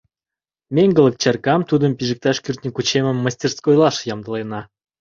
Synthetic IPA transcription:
mʲeŋɡə̆lˠə̆k̚t͡ɕɑrkɑmt̪ud̪ə̆mpʲiʒɘk̚t̪ɑʃkyrt̪nʲikut͡ɕemə̆mːəsʲtʲerskojlˠɑʃjɑmd̪ə̆lˠenɑ

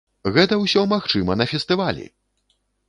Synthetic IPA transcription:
ɣɛt̪ɐwsʲɔmaxt͡ʂɨmɐnɐfʲɛst̪ɨvalʲḭ

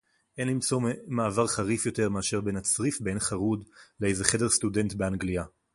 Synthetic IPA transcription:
ʔe̞nlimt͡so̞maːvaʁχaʁifjo̞te̞ʁmeaʃe̞ʁbe̞nat͡sʁifbe̞nχaʁudlejzeχede̞stude̞ntbeaŋɡlia

